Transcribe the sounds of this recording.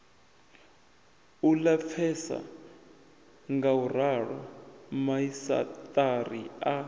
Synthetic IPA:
ulap̪fʰɛsa̰ | ŋɡaurarɔmaisa̰t̪ʼaria

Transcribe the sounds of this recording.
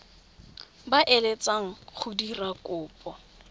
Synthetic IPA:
baʔelet͡sʼaŋ̩χʰʊdirakʼʊːpʼɔ

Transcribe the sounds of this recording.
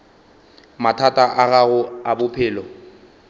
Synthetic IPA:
matʰatʼaʔaɣaɣʊabʊpʰɪːlɔ

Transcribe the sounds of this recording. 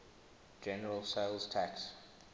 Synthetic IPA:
d͡ʒɛnəɹəlˠseɪlz̥tʰæks

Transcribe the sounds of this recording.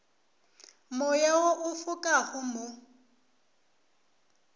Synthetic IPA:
mʊjaoʔʊfʊkʼaχʊmʊ

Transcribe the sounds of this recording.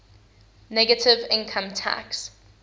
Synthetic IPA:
nɛɡətʰɪvɪ̃nkʰə̃mtʰa̰ks

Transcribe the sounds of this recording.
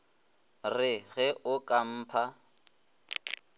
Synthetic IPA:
rɪɣɛʔʊkʼam̩ːpʰa

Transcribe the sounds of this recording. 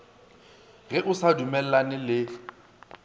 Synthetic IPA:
ɣɛʔʊsadumɛl̩lanɪlɪ

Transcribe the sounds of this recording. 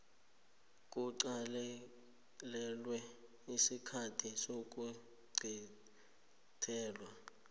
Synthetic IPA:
kʼuǀal | lɛlwɛ | isikʰatʰisok̬ʼu | ɡ͡ǀʱi | tʰɛːlwa

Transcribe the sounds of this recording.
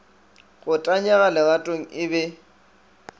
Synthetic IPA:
ɣʊtʼaɲɛɣalɛɣatʼoŋ̩ɪbɛ

